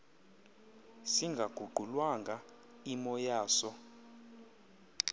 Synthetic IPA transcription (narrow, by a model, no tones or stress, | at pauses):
siŋɡʱaɡ̥ʱuɡ͡ǃʱulwaŋɡʱa | imɔjaːsɔ